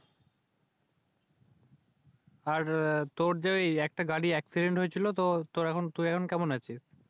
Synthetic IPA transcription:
aɾt̪oɾd͡ʑaejɛk̚ʈaɡaɽiɛksiɖeɳʈɦojet͡ɕʰilot̪ot̪oɾɛkʰont̪uɛkʰonkɛmonat͡ɕʰiʃ

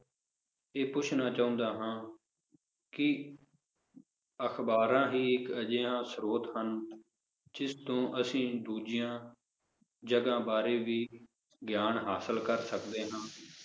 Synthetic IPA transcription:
eːpʊt͡ʃʰnaːt͡ʃaːʊ̃ːnd̪aːɦãː | kɪ | əxʰbaːɾãːɦiːɪkəd͡ʒeːãːsɾoːt̪hən | d͡ʒɪst̪õːʔəsĩːd̪uːd͡ʒɪjãː | d͡ʒəɡãːbaːɾeːʋiː | ɡjaːnɦaːsəlkəɾsəkd̪eːɦãː

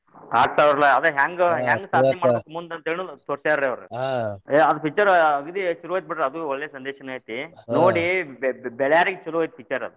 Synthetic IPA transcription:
a̰ːɡ̚t̪ajɐɾlaɐd̪eɦaːŋɡɦjaːŋɡsaːd̪nɐmaːɽbekːumund̪ɐnt̪eːnut̪ɔɾsaːɾɾeɐʋɐɾṵeɐd̪upʰit͡ʃːɐɾɐɡud̪iʃuɾuʋaːjit̪̚biʈɾeɐd̪uɔɭːesɐnd̪eːʃɐnaːjit̪inoːɽibɛɭjaːɾiɡt͡ʃuluʋaːjit̪̚pʰit͡ʃːɐɾɐ̰d̪u

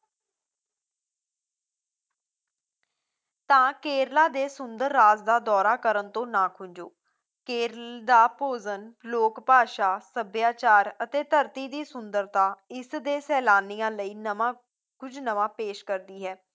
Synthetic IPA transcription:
t̪ãːkeːɾlaːd̪eːsʊnd̪əɾːaːzd̪aːd̪ɔːɾaːkəɾənt̪õːnãːkʰʊɲd͡ʒoː | keːɾld̪aːpoːzənloːkpaːʃaːsəbjaːt͡ʃaːɾət̪eːt̪əɾt̪iːd̪iːsʊnd̪əɾt̪aːɪsd̪eːsɛːlaːnijãːləiːnəmãː | kʊd͡ʒnəʋãːpeːʃkəɾd̪iːɦɛː

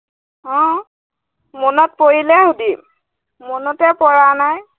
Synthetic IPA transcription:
ɔ̃ | mɔnɔt̚poɹilɛhʊdim | mɔnɔtɛpɔɹanaj

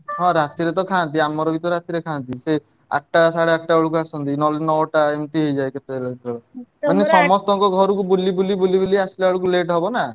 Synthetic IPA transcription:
ɦɔ̃ɾat̪iɾet̪ɔkʰant̪̬iamɔɾɔbit̪ɔɾat̪iɾekʰant̪ise | a̰ʈːasaɽeaʈʈaoɭuk̬uasɔnt̪̬inɔlnɔwʈaemt̪iɦejd͡ʒajket̪eelad̪it̪ɾɔɭɔanesɔmɔst̪ɔŋkɔɡʱɔɾukubulibulibulibuliaslaɭukuleʈɦebɔna

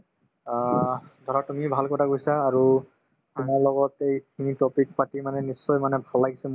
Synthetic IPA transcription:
ad̪ʱɔɹatumibʱalkɔtʰakɡojsaːɹu | tumaɹlɔɡɔtejkʰinitɔpik̚patimanɛnisːɔjmanɛbʱalajɡisɛm

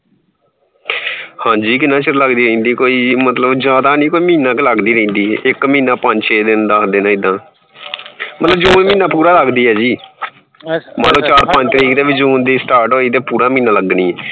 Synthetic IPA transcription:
hãːd͡ʒiːkɪnãːt͡ʃələɡd̪iːɾə̃ĩːnd̪iːkoːiːmət̪ləbzjaːd̪aːnĩːkoːiːmĩːnaːkləɡd̪iːɾə̃ĩːnd̪iːɪkmĩːnãːpə̃ɲd͡ʒt͡ʃʰeːd̪ɪnd̪aːkʰd̪eːnãːɪd̪ãː | mət̪ləbd͡ʒuːnmĩːnãːpuːɾaːləɡd̪iːɦɛːd͡ʒiː | maːloːt͡ʃaːɾpə̃ɲd͡ʒt̪əɾiːkt̪eːʋiːd͡ʒuːnd̪iːsʈaːɾʈoːiːd̪eːpuːɾaːmĩːnãːləɡniːɛː

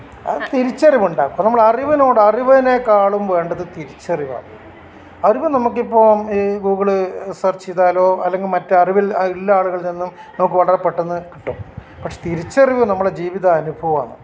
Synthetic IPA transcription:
ɐ̰ðɨt̪iɾit͡ɕːɐriʋuɳɖaːkːumnɐmːɐɭɐriʋɐno̞ːɽɨɐriʋɐnekaːɭumʋe̞ːɳɖɐðɨt̪iɾit͡ɕːɐriʋa̰ːɳɨ | ɐriʋɨnɐmukːipːoːiɡuːɣɐɭɨsɐrt͡ɕijðaːlo̞ːɐlːeŋɡilmɐtːɨɐriʋililːɐaːɭuɣɐɭninːum | nɐmuk̬ːɨʋɐɭɐrɐpːe̞ʈːenːɨki̥ʈːum | pɐkʂet̪iɾit͡ɕːɐriʋɨnɐmːɐɭed͡ʑiːʋiðɐːnubʱɐʋɐma̰ːɳɨ̰

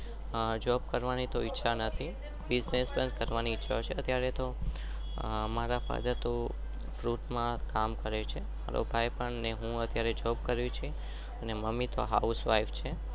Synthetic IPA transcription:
d͡ʒɔb̚kəɾʋanit̪oɪtːʃʰanət̪ʰi | bɪznespənkəɾʋaniɪtːʃʰa̰t͡ʃʰeət̪jaɾet̪o | maɾapa̰d̪at̪o | fɾuʈmãkamkəɾet͡ʃʰema̰ɾo̰bʱajpəɳneɦũət̪jaɾed͡ʒɔb̚kəɾjũt͡ʃʰe | əneməmːit̪o̰ɦa̰usʋaift͡ʃʰe

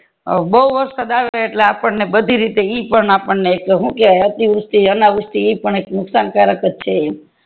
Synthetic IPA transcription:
bəɦuʋəɾsad̪aʋeeʈleapəɳnebəd̪ʱiɾit̪eipəɳapəɳneːkɦũkeaeət̪iʋʊst̪iənaʋust̪iipəɳeknʊksankaɾjəkət̪t͡ʃʰee

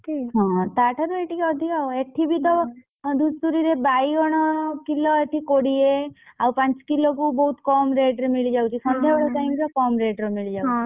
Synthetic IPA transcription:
iɦɔ̃t̪aʈʰaɾueʈikɔd̪ʱikaɔeʈʰibʱit̪ɔ | d̪ʱusuɾiɾebajɔɽ̃ɔkilɔeʈʰikoɽieawpãt͡ʃkilokubɔɦut̪kɔmɾeʈɾmiɭid͡ʒawt͡ʃʰikʰɔnd̪ʱabɔɭɔʈajmkɔkɔmɾeʈɾɔmiɭid͡ʒai

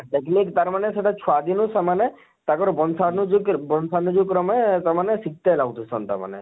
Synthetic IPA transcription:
ʈeknikt̪aɾmaneseʈat͡ʃʰuad̪inusamane | t̪akɔɾbɔnsanud͡ʒukbɔnsanud͡ʒukɾɔmɔet̪amanesik̚t̪elawt̪usɔ̰nt̪a̰ma̰nḛ

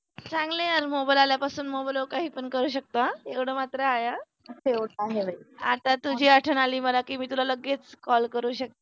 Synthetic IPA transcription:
t͡sãŋɡleəɾmobajlaljapasuːnmobalokaɦiːpəɳkəɾuːɕ̬ək̚t̪oaeʋɽ̤əmat̪ɾəːja | seʋɽaɦebəiat̪at̪ud͡ʑʱiːaʈʰənaliːməlakiːmiːt̪ulaləɡːet͡skɔlkəɾuːɕək̚t̪a

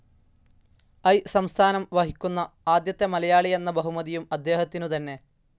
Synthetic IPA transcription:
ɐjsɐmst̪ʰaːnɐmʋɐɦikʲːunːɐ | aːd̪jɐt̪ːemɐlɐjaːɭie̞nːɐbɐɦumɐðijumɐd̪ːe̞ːhɐt̪ːinut̪ɐnːe̞

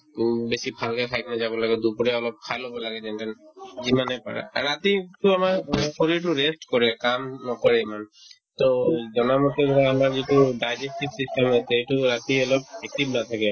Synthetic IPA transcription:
besibʱalkakʰajtnazabɔlaɡɛd̪upuɹɛɔlɔp̚kʰajlɔbɔlaɡɛzɛntɛnzimanɛpa̰ɹɛ̰ɹat̪itʊamaɹkʰoɹit̬uɹestkɔɹɛkamnɔkɔɹɛman | tozɔnamɔtɛamaɹzitudajzesʈibsistɛmɛtejtʊɹat̪iɔlɔb̚ɛk̚tibnat̪ʰakɛ

